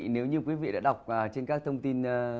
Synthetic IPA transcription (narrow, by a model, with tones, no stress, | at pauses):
ne˨˦wɲɨ˧kwi˨˦vḭ˧˨ɗa̰ː˧˥ɗa˨˩wk͡p̚əː˨˩t͡ɕe˧nkaː˦˥k̚t̪ʰə˧wŋ͡mt̪i˧n˧